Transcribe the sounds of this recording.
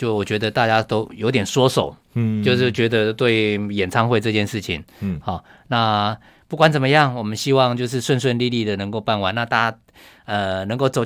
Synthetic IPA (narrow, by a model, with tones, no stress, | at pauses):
t͡ɕjo˥˧ʊwɔ˨˩t͡ɕɥɛ˧˥d̪ə˧t̪a˥˧t͡ɕja˥t̪o˥ʊjo˧ʊt̪jɛ˨˩nswɔ˥so˨˩˦ʊ | t͡ɕjo˥˧ʊʂ̬ɻ̩˥˩t͡ɕɥɛ˧˥d̪ə˧t̪we˥˩ɪjɛ˨˩nt͡sʰɑ˥ŋxwe˥˧ɪʈ͡ʂɤ˥˧t͡ɕjɛ˥˧nʂɻ̩˥˩t͡ɕʰḭ˨˦ŋhɔ˥˨˩na˥˩ | pu˥˩kwa˦nt͡sə˨˩mə˦jɑ˥˩ŋwɔ˨˩mə˦nɕi˦˥wɑ˥˧ŋt͡ɕjo˥˧ʊʂ̬ɻ̩˥˧ʂwə˥˧nswə˥˧nli˥˧li˥˩d̪ə˨nə˧˥ŋko˥˧ʊpa˥˩nwa˧˦na˥˧t̪a˥˧t͡ɕja˥ | ə˨nɤ˧˥ŋko˥˩ʊt͡so˨˩ʊ